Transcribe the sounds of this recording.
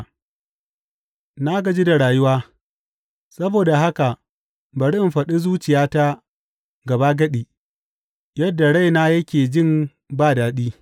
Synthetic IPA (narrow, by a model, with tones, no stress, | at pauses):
na˦ɡɐ˨d͡ʒiː˦da˨ɽaː˨jʊ˦waː˦ | sɐ˦boː˨da˨ɦa˦ka˨ʔ | bɐ˨ɽɪ˦ɪ˨mɸɐ˨ɗi˦zuː˦t͡ʃɪ˨jaː˦ta˦ | ɡɐ˨ba˦ɡɐ˦ɗi˨ | jɐ˦dːa˨ɽa˦jna˦jɐ˦kʲeː˨d͡ʒɪ˦˨m | baː˦daː˨ɗiː˦